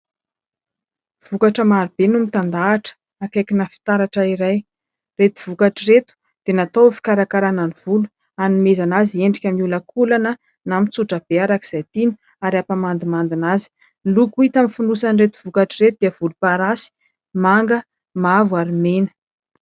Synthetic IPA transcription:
v̥ukaʈ͡ʂəmaɾib̥enumit̪and̪aːʈ͡ʂə̥ | akajkʲinəfi̥t̪aɾaʈ͡ʂəiɾaj | ret̪uv̥ukaʈ͡ʂiɾet̪u̥ | d̪̥enat̪owfi̥kaɾakaɾananiv̥ulu | animezanazieɳɖ͡ʐikʲamiuləkʰulanə | namit͡suʈ͡ʂəb̥eaɾaki̥z̥ajt̪inu | aɾiapamand̪imand̪inazi̥ | lukuit̪amifunusaniret̪u̥v̥ukaʈ͡ʂiret̪ud̪̥iəv̥ulupaɾasi̥ | maŋɡə | mavuaɾimenə̥

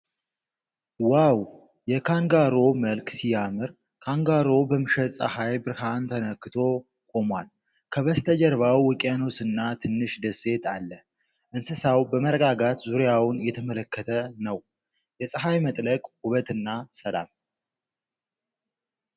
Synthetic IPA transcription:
waw | jɛkʰaŋɡaɾo̞məlksijamɨɾ | kʰaŋɡaɾo̞bəmɨʃət̪sʼə̰hajbɨɾhant̪ʰənəkːɨt̪ʰo̞ | kʼo̞mwal | kʰəβəst̪ʰəd͡ʒəɾβawːɨkʼjano̞sɨnːat̪ʰɨnːɨʃd̪əse̞t̪ʰalːə | ʔɨnsɨsawbəməɾəɡaɡat̪zuɾejawʊnjɛt̪ʰəmələkːət̪ʰənəw | jɛsʼəɦajmət̪ʼləkʼhuβət̪ɨnːasəla̰m

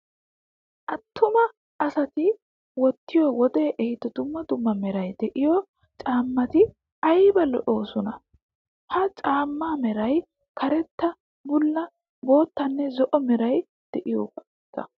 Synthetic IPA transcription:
ʔɐt̪ːʊmɐː | sɐt̪ɪ | wɔt̪ːɪjɔwɔd̪ɛːʔɛhɪt̪ːɔd̪ʊmːɐd̪ʊmːɐmɛɾɐjd̪̥ɛʔɪjɔ | t͡ʃʼaːmːɐt̪ɪ | ɐjbɐlɔ̰ʔo̞ːsɔnɐ | hɐt͡ʃʼaːmːaːmɛɾɐj | kʰɐɾɛt̪ːɐ | bʊlːɐ | bo̞ːt̪ːɐnːɛzɔʔɔmɛɾɐj | d̪̥ɛʔɪjɔ̰ | kːɐ̰

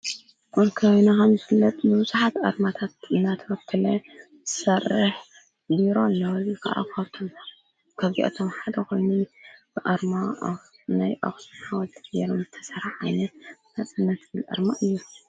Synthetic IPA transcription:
ʔʼɔlkʰɐwnakɐmzɨfɨlːɐt̪ʼbɨwuzuħat̪ʔa̰ɾmat̪ʰat̪̚ɨnːat̪ʰɐwɐt̪ʰːɨlɐ | z̥ɨ̥sɐrːɨħ | biɾolːɐwɨkʰa̰ʔa̰kʰɐβt̪ʰom | kʰɐβzḭʔɐ̰t̪ʰomħad̪ɐkojnub̥ɨʔaɾma | najʔo̰xsnħawɐt̪ʰɡbeɾomzɨt̪ʰɐsɐɾaħajnɐnat͡sʼɨnːɐt̪ɨbɨlʔa̰ɾmaʔɨjːu

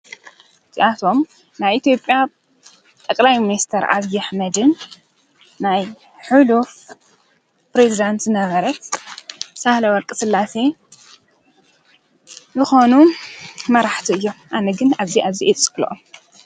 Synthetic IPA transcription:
t̪ʰiʔat̪ʰo̞m | naβʔit̪ʰjopʼja | t̪ʼɐkʼlajminist̪ʰɐɾʔa̰βijaħmɐd̪ɨnː | aj | ħuluf | pɾezid̪ant̪zɨnɐβɐɾɐt̪ | sahlɐwɔɾkʼɨsɨlːase | zɨxo̞numɐɾaħt̪ʰiɨjːo̞ʔanɐɡɨnaβziʔaβziʔet͡sʼɨ̥kʼlʔom

